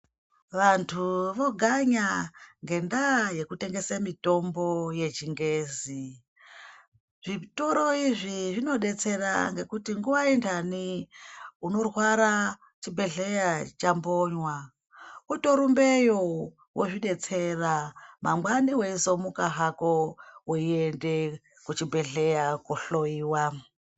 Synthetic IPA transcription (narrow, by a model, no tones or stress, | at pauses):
ʋantʰuʋo̞ɡʱaɲaŋɡe̞ndaje̞kute̞ŋɡe̞samito̞mbo̞je̞t͡ʃiŋɡe̞ːzi | ʐ̥ito̞ɾo̞iʐiʐino̞ɗe̞t͡se̞ɾa̰ŋɡe̞kutiŋɡuʋaindʰani | uno̞rwaɾa | t͡ʃibʱe̞ɮejat͡ʃambo̞ɲwa | uto̞ɾumbe̞jo | wʔoʐiɗe̞t͡se̞ramamwaniweizo̞mukaɦakowoiende̞ | kut͡ʃibʱe̞ɮe̞jakuɬo̞iːwa